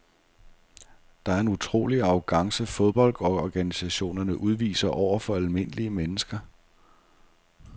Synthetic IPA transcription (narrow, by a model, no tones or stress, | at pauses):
d̥ɑ̈æɐe̝nut͡sʰʁo̝̰ːliɑ̈ʊɡ̥ɑ̈ŋsəfo̝ð̞ˠb̥ɒ̽l̰d̥ɒɒɡ̥ænisæɕo̝̰ːnɐnəʔuð̞ˠʋḭːsɐʔɒʊ̰ɐfɒ̽ælme̝n̰əliəmenəsɡ̥ɐ